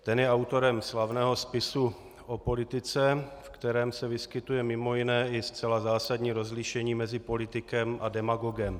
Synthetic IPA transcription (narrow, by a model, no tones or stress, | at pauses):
t̪ɛnjɛawt̪o̞ɾɛmslavnɛːɦo̞spɪsu | ʔopo̞lɪt̪ɪt͡sɛfkt̪ɛɾɛːmsɛvɪskɪt̪ujɛmɪmo̞jɪnɛːʔɪst͡sɛlazaːsadɲiːɾo̞zlɪʃɛɲiːmɛzɪpo̞lɪt̪ɪkɛmʔadɛmaɡo̞ɡɛm